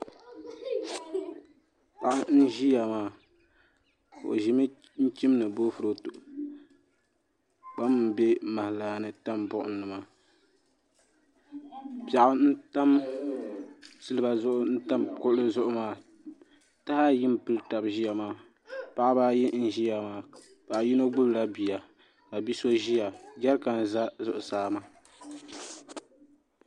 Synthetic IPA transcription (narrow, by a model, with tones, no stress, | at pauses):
pa˨ʔa˦n̩˦ʒi˦ja˨maː˦ | kʔo̰˨ʒi˦mɨ˦ | n̩˦t͡ʃi˦mnɨ˨bo˦fɨ˨ɾo˨tʊ˨ʔ | k͡pa˦m˦n̩˨be˦ma˨laː˨nɨ˨ta˦mbʊ˦ʔʊ̰˦nː˦ɨ˨maː˦˨ | pja˨ʔʊ˦n̩˦ta˦m | sɨ˦lɨ˦ba˨zʊ˦ʔʊ˦n̩˦ta˦mkʊ˦ʔlɨ˦zʊ˦ʔʊ˦maː˦ | ta˦ha˦ji˦mpɨ˦lta˨bʒi˦ja˨maː˨˦ | pa˦ʔa˦baː˦ji˦n̩˦ʒi˦ja˨maː˨˦ | pa˨ʔji˦no˦ɡ͡bʊ˦bla˦bi˨ja˨ | ka˨bi˦so˦ʒi˦ja˨ɡa˦ɾka˨n˨za˦zʊ˨ʔʊ˨saː˦ma˦